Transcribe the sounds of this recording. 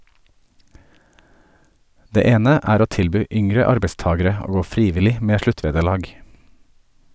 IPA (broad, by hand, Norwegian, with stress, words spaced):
ˈdeː ˈeːnə ˈʔæːɾ ˈoː ˈtɪlˌbyː ˈʔʏŋɾə ˈɑɾbəˌstɑːɡəɾə ˈoː ˈɡoː ˈfɾiːˌʋɪlɪ ˈmeː ˈʃɭʉˌtʋeːdəˌɭɑːɡ